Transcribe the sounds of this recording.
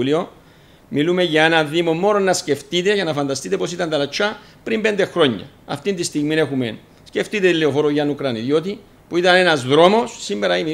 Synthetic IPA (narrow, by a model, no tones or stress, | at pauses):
lio̞ | milume̞ʝɐe̞nɐðimo̞mːo̞no̞nːɐsce̞ft̪it̪e̞ʝɐnɐfɐnd̪ɐst̪it̪e̞posit̪ɐnt̪ɐlɐt͡ʃʰɐ | pɾimbe̞nd̪e̞xɾo̞ɲːɐ̰ | ɐ̰ft̪ind̪ist̪iɣmine̞xumḛn | sce̞ft̪it̪et̪ileofo̞ɾoʝɐnukɾɐniðjo̞t̪i | puit̪ɐne̞nɐzðɾo̞mo̞sːimːe̞ɾɐine